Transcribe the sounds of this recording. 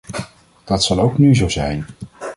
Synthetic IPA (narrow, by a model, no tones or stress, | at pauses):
d̥ɑtsɑlˠowknyzowzɛjn